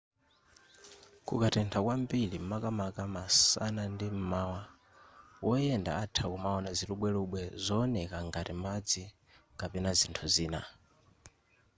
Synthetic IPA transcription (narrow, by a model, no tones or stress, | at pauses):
kukatɛntʰakwambilimakamakamasa̰nandim̩mawa | wɔjɛnda̰atʰakumaɔnaziɾuɓwɛluɓwɛzɔːnɛkaŋɡatimad͡zi | kapɛnazintʰuziːna